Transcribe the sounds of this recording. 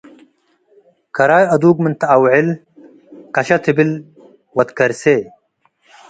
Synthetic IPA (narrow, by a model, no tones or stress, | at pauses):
kɐɾaːjɐd̪uːɡmint̪aawʕil | kɐɕɐt̪ʰibil | wɐt̪kɐɾse